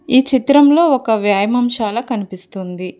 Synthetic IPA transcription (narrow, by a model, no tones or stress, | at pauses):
iːt͡ʃit̪ɾɐmlo̞ːɔkɐʋjaːjɐmɐmʃaːlɐkɐnipist̪und̪i